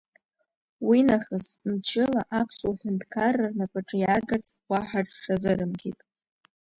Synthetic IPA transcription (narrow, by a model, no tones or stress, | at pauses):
winaχəsmt͡ʃʰɪlaʔapʰsuħʷʊntʰkʰarːarnapʼaʈ͡ʂʼɨjarɡart͡sʰʼtwʷaħʷaʈ͡ʂʂazɨɾɨmɡʲitʼ